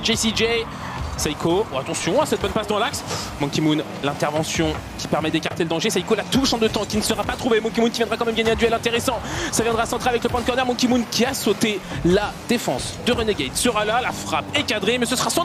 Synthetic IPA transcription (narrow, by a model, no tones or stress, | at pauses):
d͡ʒɛjsid͡ʒɛ | saikʰoat̪ɑ̃sjɔ̃asɛt̪̚bɔnpasd̪ɑ̃laksmɔ̃kʲimun | lɛ̃t̪ɛʁvɑ̃sjɔ̃ | kʲʰi̥pɛʁmɛd̪ekaʁt̪eləd̪ɑ̃ʒesajikolat̪uʃɑ̃d̪ət̪ɑ̃kʲinəsəʁapat̪χuvemɔ̃k̬ʲimunkʲivjɛ̃d̪ʁakɑ̃mɛmɡaɲeɛ̃d̪yɛlɛ̃t̪eʁɛsɑ̃savjɛ̃d̪ʁaːsɑ̃t̪χeavɛkləpɑ̃d̪əkɔʁnɛʁmɔ̃kʲimunkʲʰiasot̪elad̪efɑ̃s | d̪əʁəneɡʲɛjt̪səʁalalafχapekad̪ʁemɛsəsəʁasɑ̃